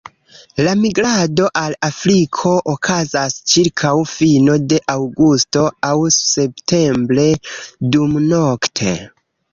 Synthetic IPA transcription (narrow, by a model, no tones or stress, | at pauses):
lamiɡɾado̞ʔalafɾikʰo̞ʔokʰazast͡ʃiɾkʰawfino̞de̞ʔawɡusto̞awse̞ptʰe̞mbɾe̞dumno̞ktʰe̞